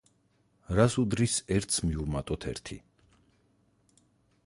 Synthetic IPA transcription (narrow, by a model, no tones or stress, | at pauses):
ɾasud̪ɾisɛɾt̪sʰmiumat̪ʼɔt̪ʰɛ̰ɾt̪ʰḭ